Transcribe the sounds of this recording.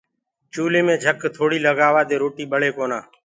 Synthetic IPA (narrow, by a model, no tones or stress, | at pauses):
t͡ʃuːleːmẽːd͡ʒʱəkt̪ʰoːɽiːləɡaːʋaːd̪eːɾoːʈiːɓəɭeːkoːnaː